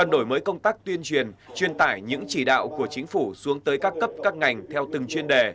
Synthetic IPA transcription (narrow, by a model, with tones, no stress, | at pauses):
ə˨˩nɗo˧˩jməː˨˦jkə˧wŋ͡mt̪aː˦˥k̚t̪wi˧ənt͡ɕwi˨˩ənt͡ɕwi˧ənt̪a̰ː˧˩jɲɨ̰˧˥ŋt͡ɕi˧˩ɗa̰ː˧˨wku˧˩ət͡ɕï˨˦ŋ̟fu˧˩su˨˦əŋt̪əː˨˦jkaː˦˥kːə˦˥p̚kaː˦˥k̚ŋa˨˩jŋ̟t̪ʰɛ˧wt̪ɨ˨˩ŋt͡ɕwi˧ənɗe˨˩